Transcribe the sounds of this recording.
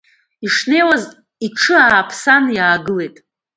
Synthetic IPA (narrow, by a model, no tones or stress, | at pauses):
iʂne̞jwaz | iʈ͡ʂʰɨaːpʰsanjaːɡɨle̞jtʼ